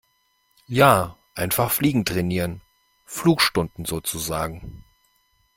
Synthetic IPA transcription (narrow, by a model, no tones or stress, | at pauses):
jaːʔaɪnfaχfliːɡŋ̩tʁ̥ɛniːʁən | fluːkʃtʊndn̩zoːt͡suzaːɡŋ̩